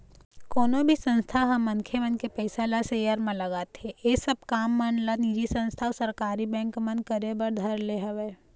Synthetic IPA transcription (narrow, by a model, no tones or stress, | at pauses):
koːnõbʱisə̃nst̪ʰaɦɐ̃mːɐnkʰemə̃nkepɛɪsalasejəɾmẽlɐɡaːt̪eesɐb̚kaːmːanlanid͡ʒisə̃nst̪ʰasɐɾkaːɾibɛ̃ːŋkmə̃nd̪̚kəɾebəɾd̪ʱɐɾleɦɐʋeː